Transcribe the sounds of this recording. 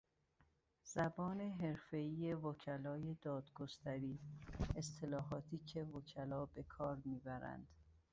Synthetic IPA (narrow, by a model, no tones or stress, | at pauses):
z̥æbɒːne̞ɦe̞ɾfe̞iːje̞vocʰælɒːje̞d̪ɒːd̪ɡost̪ʰæɾiːest̪ʰe̞lɒːɦɒːt̪ʰiːcʰe̞vocʰælɒːbe̞kʰɒːɾmiːbæɾæ̰nd̪̥